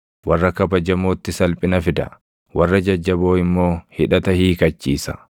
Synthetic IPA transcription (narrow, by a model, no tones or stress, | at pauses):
wɐrːɐkɐbɐd͡ʒɐmo̞ːt̪ːɪsɐlpʼɪnɐfɪd̪ɐ̰ | wɐrːɐd͡ʒɐd͡ʒːɐbo̞ːɪmːo̞ːhɪᶑɐt̪ɐhiːkɐt͡ʃːiːsɐ̥